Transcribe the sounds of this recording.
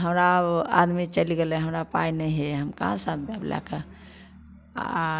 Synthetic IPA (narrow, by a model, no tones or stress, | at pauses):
ɦəmɾaa̰d̪mit͡ʃəliɡelɛ̃ɦəmɾapainɛjɦeɦəmkã̰sãt̪̚ba̰bla̰kə